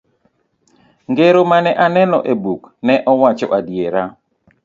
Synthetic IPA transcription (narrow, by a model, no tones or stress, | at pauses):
ŋɡeɾomanɛʔanɛlɔʔebuknɛʔɔwat͡ʃɔ̰ʔadjeɾa